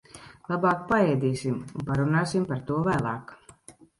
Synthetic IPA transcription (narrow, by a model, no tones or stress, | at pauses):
lˠabaːkpaɛjd̪ʲiːsʲimunpaɾunaːsʲimpaɾt̪uɔvæːlˠɑ̰ːk